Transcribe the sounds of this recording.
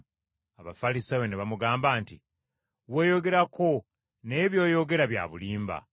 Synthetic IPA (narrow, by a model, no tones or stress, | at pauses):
aβafalisaweneβamuɡaːmbaːntḭ | we̞ːjo̞ɡe̞ɾako̞ | ne̞ːβjo̞ːjo̞ɡe̞ɾaβja̰ːβuliːmba̰